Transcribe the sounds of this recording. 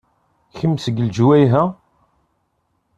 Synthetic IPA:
çəmːsəɡəld͡ʒwæjɦæ

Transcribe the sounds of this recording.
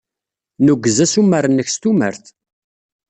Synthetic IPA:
nuɡːəzæsumːəɾənːəçst̪umə̰ɾθ

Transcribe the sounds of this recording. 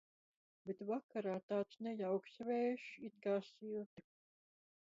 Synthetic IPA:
bet̪vakaɾaːt̪aːt̪snʲɛjawksvɛːʃit̪kaːsilt̪i

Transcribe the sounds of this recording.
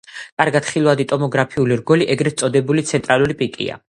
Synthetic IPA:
kʼaɾɡat̪χilˠvad̪it̪ʼɔmɔɡɾapʰiuliɾɡɔliʔɛɡɾɛt̪sʼɔd̪ɛbulit̪sʰɛnt̪ʼɾalˠuɾipʼikʼḭa̰

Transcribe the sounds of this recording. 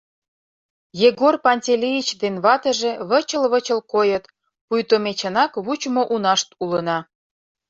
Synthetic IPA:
jeɡorpɑnʲtʲelʲejit͡ɕd̪enβɑt̪ə̆ʒĕβə̆t͡ɕəlβət͡ɕə̆lkojət̪ | pujt̪omʲet͡ɕə̆nɑkβut͡ɕmoʔunɑʃt̪ulə̆nɑ

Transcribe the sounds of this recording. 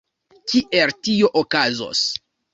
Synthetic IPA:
kiʔe̞ltio̞ʔokazo̰s

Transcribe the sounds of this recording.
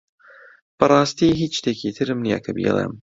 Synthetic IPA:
b̥ɐɾˤaːst̪iːɦiːt͡ʃt̪ekiːt̪ʰɨɾɨmnija̰kʰɐbḭːlˠḛm

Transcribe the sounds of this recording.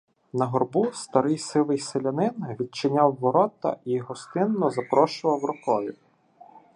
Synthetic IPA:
nɐɦɔrbust̪ɐɾɪjsɪlˠɪjselʲɐnɪnʋʲid̪̚t͡ʃɪnʲawːɔɾɔt̪ɐ̰ijɔɦɔst̪ɪnːɔzɐpɾɔʃʊʋɐwrɔkɔjʊ

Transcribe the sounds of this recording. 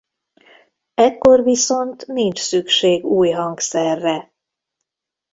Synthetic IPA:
ɛkːo̞rviso̞nt̪nint͡ʃsykʃeːɡuːjɦɒŋksɛrːɛ

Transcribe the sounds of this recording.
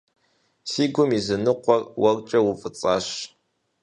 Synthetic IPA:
siːɡʷʊmizɨnɨqʷɔrwɐrt͡ʃʼɐwʊfʼɨt͡sʼaːɕ

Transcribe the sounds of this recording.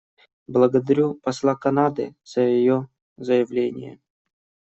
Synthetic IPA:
blˠəɡəd̪ɐɾʲupɐslˠakɐnad̪ɨ̰z̥əjɪjo | zəjɪvlʲenʲɪ̰jə̰

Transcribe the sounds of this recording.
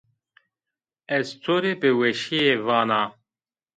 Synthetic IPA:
ɛzt͡s̪ʰoːɾepɨwɛʃijevɑːnɑː

